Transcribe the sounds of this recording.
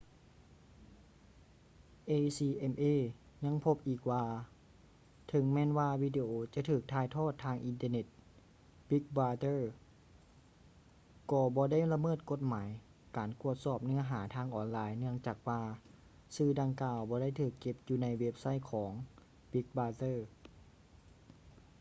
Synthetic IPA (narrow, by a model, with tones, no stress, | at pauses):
ʔeː˧siː˧ʔe˧mʔeː˧˩ | ɲa˧˥˨ŋpʰo˧˥p̚ʔiː˨˩k̚waː˧ | t̪ʰɤ˨˦ŋmɛː˧˥˨nwaː˧wiː˧˩de˧ʔoː˧t͡ɕa˧˨t̪ʰɯː˨˩k̚t̪ʰaː˧˩jt̪ʰɔː˥˩t̪ʰːaː˧ŋʔi˧nt̪ə˧ne˧˩t̪̚ | bi˦˥k̚baː˧t̪ɤː˧˥˩ | kɔː˧bɔː˧˦da˥˩jla˧mɤː˥˩t̪̚ko˧t̪̚maː˩˦j | kaː˨˦nku˧˩ət̪̚sɔː˧˩p̚nɯ˧˩ɐɦaː˩˦t̪ʰaː˧˥ŋʔɔː˨˩nlaː˧jnɯ˧˥əŋt͡ɕaː˨˩k̚waː˧ | sɯː˧˩da˧ŋkaː˧wbɔː˧˦ɾa˥˩jt̪ʰɯː˨˩kːe˧p̚juː˧na˧jwe˦˧˥p̚sa˧˥˩jkʰɔː˩˦ŋ | b̥i˧˦˥k̚baː˧t̪ɤː˧˥˩